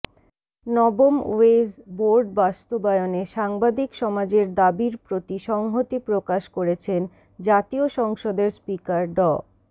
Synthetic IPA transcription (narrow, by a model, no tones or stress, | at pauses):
nɔbomezboɾɖbast̪obaeoneʃaŋbad̪ikʃɔmad͡ʑeɾd̪abiɾpɾot̪iʃɔŋɦot̪ipɾokaʃkoɾet͡ɕʰen | d͡ʑat̪ioʃɔŋʃod̪eɾspikaɾɖɔ